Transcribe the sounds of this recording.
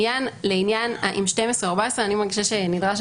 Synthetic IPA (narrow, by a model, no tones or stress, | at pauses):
janleinjanaʔḭmʃtemesʁeoaʁbaesʁeanimaʁɡiʃaʃenidʁaʃ